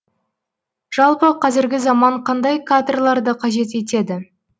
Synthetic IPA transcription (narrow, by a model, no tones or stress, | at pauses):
ʒ̥ɑlˠpəqʰɑzɪɾɡʲɪzɑmɑɴqʰɑnd̪ɑjkʰad̪rlˠɑɾd̪əqʰɑʒe̞t̪̬e̞t̪e̞d̪ɪ